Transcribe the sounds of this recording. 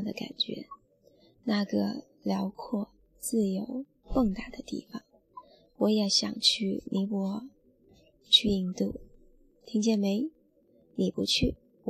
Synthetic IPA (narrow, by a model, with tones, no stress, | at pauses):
d̪ə˨ka̰˨˩nt͡ɕɥɛ̰˧˥ | na˥˩ɡə̰˩ | ljɑ˧˥ʊkʰwɔ˥˧ | t͡sɹ̩˥˩jo˧˥ʊ | kɤ˥˧ŋt̪a˥˩d̪ə˨t̪ḭ˥˩fɑ˨˩˦ŋ | wɔ˧˥jɛ˨˥ɕjɑ̰˨˩ŋt͡ɕʰy˥˩ni˧˥pwɔ˧˥ | t͡ɕʰy˥˧i˥˧ŋt̪u˥˩ | t̪ʰi˧˥ŋt͡ɕjɛ˥˩nme˧˥ɪ | ni˨˩pu˧˥t͡ɕʰy˥˩